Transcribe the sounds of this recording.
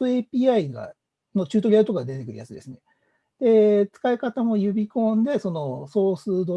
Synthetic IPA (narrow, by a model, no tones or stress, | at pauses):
oe̞pʲiːaiɡa̰ | no̞t͡ɕɨːt̪o̞ɾʲiait̪o̞kaɡad̪e̞t̪ekɯ̟ɾɯ̰jat͡sɨd̪e̞̰sɨne | d̪̥e̞t͡sɨ̥kaikat̪amo̞jɯ̟bʲikõ̞nd̪e̞so̞no̞so̞ːsɨːd̪o̞